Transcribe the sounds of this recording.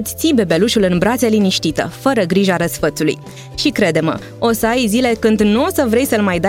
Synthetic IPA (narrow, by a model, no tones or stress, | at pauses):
t̪ʲt̪sibe̞be̞luʃulɨnbɾat̪seliniʃt̪it̪ə̰fəɾəɡɾiʒaɾəsfət̪sulṵj | ʃikɾe̞d̪e̞mə̰ | o̞səajzile̞kɨnd̪nuosəvɾe̞jsəɨlmajd̪a